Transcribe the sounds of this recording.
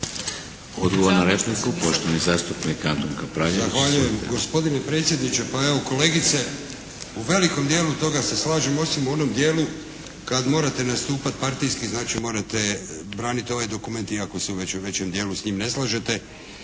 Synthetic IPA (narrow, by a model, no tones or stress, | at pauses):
od̪ɡoʋoɾnaɾeplikupoʃt̪oʋnizaːst̪upnikant̪oŋkapɾajzaxʋaʎujemɡo̞spo̞d̪ine̞pɾe̞ːt̪sjed̪nit͡ɕe̞pae̞ʋo̞ko̞le̞ːɡit̪se̞ | uʋe̞liko̞md̪je̞ːlut̪o̞ɡase̞slˠaːʒemo̞simuo̞no̞md̪je̞ːlu | kad̪moɾat̪e̞nast̪uːpat̪̚paɾt̪ijskiznaːt͡ʃimo̞ːɾat̪e̞bɾaːnit̪io̞ʋajd̪o̞kume̞nt̪iako̞seuʋe̞t͡ɕeuʋe̞t͡ɕe̞md̪je̞ːlusɲiːmne̞slˠaʒet̪e̞